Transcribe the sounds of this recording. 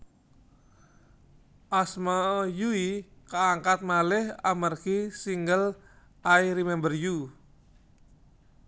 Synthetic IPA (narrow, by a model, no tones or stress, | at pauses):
ʔasmajuikaaŋkat̪̚malɪhamərkisiŋɡəl | ʔaiɾimɛmbərju